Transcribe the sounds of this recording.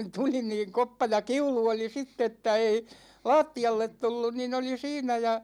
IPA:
tuli niːŋ kopːɑ jɑ kiulu oli sitː etːæ ei lɑ̝ːtːiɑlːet tulːun nin oli siːnæ jɑ

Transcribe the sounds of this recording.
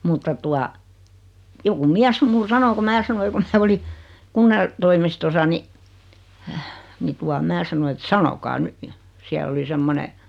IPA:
mutːɑ tuɑ joku miæs sem mul sɑno ku mæː sɑnoi kun̞ se oli kunːɑn toimistosɑ ni ni tuɑ mæː sɑno et sɑnokɑː ny siæl oli semːone

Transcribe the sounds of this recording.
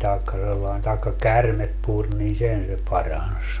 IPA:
tɑekːɑ selːɑen tɑekːɑ kærmep pur niːn sen se pɑrɑns

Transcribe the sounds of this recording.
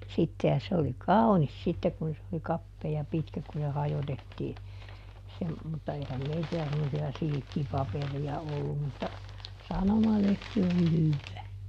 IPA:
sitːe jɑ se oli kɑunis sitːe kun se oli kɑpːeː jɑ pitkæ kun se hɑjotetːiː se mutːɑ eihæm meitilːæ semːosiɑ silĭkːipɑperiɑ olːum mutːɑ sɑnomɑlehti oli hyʋːæː

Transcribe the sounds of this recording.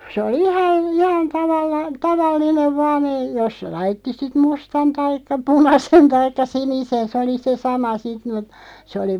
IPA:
sĕ oli ihɑn ihɑn tɑʋɑlːɑ tɑʋɑlːineʋ ʋɑːn ei jos se lɑitːi sit mustɑn tɑikːɑ punɑsen tɑikːɑ sinisen sĕ oli se sɑmɑ sit mut sĕ oli

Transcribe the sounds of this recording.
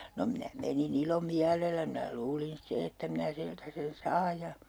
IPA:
no minæ menin ilomiælelæ minæ luːlin ste etːæ minæ siltæ sen sɑː jɑ

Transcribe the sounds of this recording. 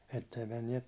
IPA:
etːei menːiɛt

